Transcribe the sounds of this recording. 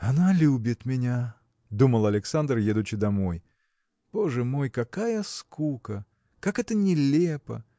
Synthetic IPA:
ɐnalʲubʲɪt̪mʲɪnʲa | d̪uməlˠɐlʲɪksand̪rjed̪ʊt͡ɕːɪd̪ɐmo̞j | b̥o̞ʐɨmo̞jkɐkajəskukə | kakɛt̪ənʲɪlʲepə̰

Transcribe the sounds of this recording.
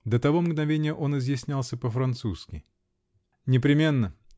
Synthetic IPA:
d̪ət̪ɐvo̞mɡnɐvʲenʲɪjəʔo̞nɪzjɪsʲnʲalˠsʲəpəfɾɐnt̪suskʲɪ̰ | nʲɪpɾʲɪmʲe̞nːə

